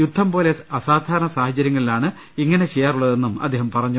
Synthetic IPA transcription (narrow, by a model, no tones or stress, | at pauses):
jud̪ʱːɐmpo̞ːle̞ɐsaːd̪ʱaːɾɐnɐsaːhɐt͡ɕjɐɾjɐŋːɐɭilaːɳɨ | iŋːɐne̞t͡ɕejːaːruɭːɐðe̞nːumɐ̰d̪ʱːeːɦɐmpɐrɐɲːu